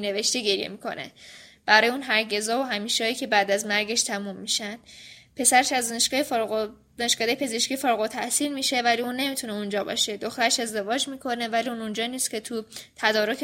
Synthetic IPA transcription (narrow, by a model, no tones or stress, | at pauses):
ne̞ve̞ʃt̪eɟe̞ɾijḛmiːkʰo̞̰nḛb̥æɾɒːjeuːnɦæɾɟe̞zɒːvoɦæmiːʃɒːiːcʰʲe̞bæːd̪æzmæɾɟe̞ʃt̪ʰæmumːiʃænd̪̥pʰe̞sæɾeʃæzd̪ɔːneʃkɒːje | d̪̥ɒːneʃkɒːd̪ejepʰe̞zeʃkcifɒːɾɣot̪ʰæhsiːlmiːʃe̞væliuːnːe̞miːt̪ʰuneund͡ʒɒːbɒ̰ːʃe̞d̪oxt̪æɾeʃe̞zd̪e̞vɒːd͡ʒmiːkʰo̞ne̞væliuːnund͡ʒɒːniːst̪cʰe̞t̪ʰut̪ʰæd̪ɒːɾo̞kʰ